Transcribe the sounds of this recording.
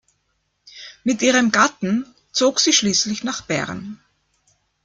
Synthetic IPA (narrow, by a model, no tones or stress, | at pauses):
mɪtʔiːʁəmɡatn̩ | t͡soːksiːʃliːslɪçnaːχb̥ɛ̰ʁn